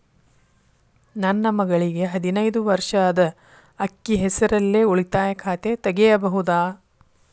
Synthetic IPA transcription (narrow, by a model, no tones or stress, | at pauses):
nɐnːɐmɐɡɐɭiɡe̞ɦɐd̪inɐjd̪uʋɐɾʂɐd̪ɐ | ɐkːiɦɛsɐɾɐlːeːuɭit̪aːjɐkʰaːt̪et̪ɐɡejɐbɐɦud̪aː